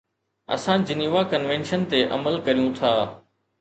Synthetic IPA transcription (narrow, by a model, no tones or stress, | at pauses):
ɐ̰sãd͡ʑɪniːʋakɐnʋẽːnʃənt̪eʔɐ̰məlkɐɾijũt̪ʰaː